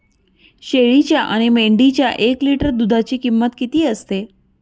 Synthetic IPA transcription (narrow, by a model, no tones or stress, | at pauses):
ɕeɭit͡ɕjaʔaɽ̃imeɳɖit͡ɕjaʔekliʈəɾd̪ud̪ʱat͡ɕiːkimːət̪kit̪iːəst̪e